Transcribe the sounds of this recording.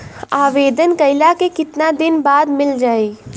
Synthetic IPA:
aːʋeːd̪ənkɐɪlakekɪt̪nad̪ɪnbaːd̪mɪld͡ʒaːeː

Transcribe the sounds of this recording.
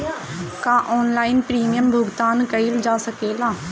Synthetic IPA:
kãːʔɔːnlaːɪnpɾiːmijəmbʱʊɡt̪aːnkəild͡ʒaːsəkeːlaː

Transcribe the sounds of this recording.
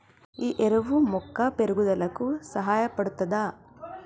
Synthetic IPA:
iːʔeɾɐʋumɔkːapeɾuɡud̪ɐlɐkusɐɦaːjɐpɐɽut̪ːɐd̪a

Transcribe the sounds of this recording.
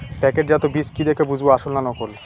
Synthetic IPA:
pɛkeʈd͡ʑɛt̪obiskid̪ekʰebud͡ʑʱboaʃolnanɔkol

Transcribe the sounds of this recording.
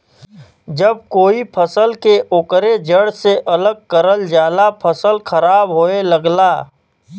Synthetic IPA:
d͡ʒəb̚koːipʰəsəlkeʔoːkɾed͡ʒəɽseʔɐləɡ̚kəɾəld͡ʒaːlapʰəsəlkʰɐɾaːbɦoeləɡlaː

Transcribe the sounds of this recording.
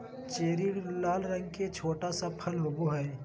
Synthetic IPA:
t͡ʃeːɾiːɽlaːlɾə̃ŋɡket͡ʃʰoːʈasapʰəlɦoboɦɛː

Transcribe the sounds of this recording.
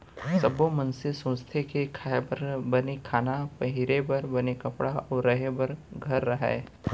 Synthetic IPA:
sɐbomɐnsesõːst̪ʰekekʰaɾbɐnekʰaːnapɐɦɪɾebɐɾbɐnekɐpɽaɔːɾɾɐɦebɐɾɡʱɐɾːɐɦɛ̰ː

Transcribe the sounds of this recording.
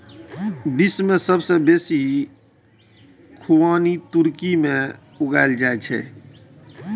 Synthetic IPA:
bɪsmẽsəbsebeːsi | kʰuwaːnit̪ʊɾkimẽ | ʊɡaːɪld͡ʒaːet͡ʃʰɛ̰ː

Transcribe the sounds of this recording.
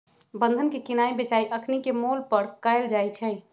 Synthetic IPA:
bə̃nd̪ʱənkekinaibet͡ʃaiʔəkʰnikemolpəɾkəɪld͡ʒajt͡ʃʰɛ

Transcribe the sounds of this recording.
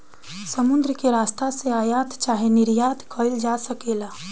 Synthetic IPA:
səmʊ̃nd̪ɾəkeɾaːst̪aseaːjaːt̪t͡ʃaːɦenɪɾjaːt̪kʰəld͡ʒaːsəkeːlaː

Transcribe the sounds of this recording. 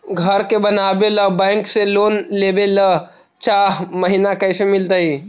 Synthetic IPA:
ɡʱəɾkebənaːbeləbɛ̃ːŋkseloːnleːbelə | t͡ʃaːɦməɦinakəsemɪlt̪aɦi

